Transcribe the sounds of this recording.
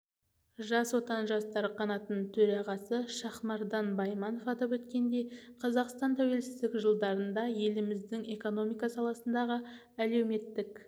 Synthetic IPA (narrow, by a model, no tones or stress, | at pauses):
ʒɑswo̞t̪ɑnʒɑst̪ɑɾqʰɑnɑt̪ənt̪ʰɵɾɑʁɑsəʃɑχmɑɾd̪ɑnbɑjmɑnofɑt̪əpwɵt̪kʲe̞nd̪e̞jqʰɑzɑqst̪ɑnt̪ʰæwe̞lsɪzd̪ɪkʒəlˠd̪ɑɾənd̪ɑje̞lɪmɪzd̪ɪŋe̞ko̞no̞mijkɑsɑlˠɑsənd̪ɑʁə | ælewme̞t̪ːɪk